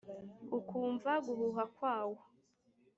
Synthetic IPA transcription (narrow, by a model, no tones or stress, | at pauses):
ukʰuːɱvaɡuhuɦakwaːwo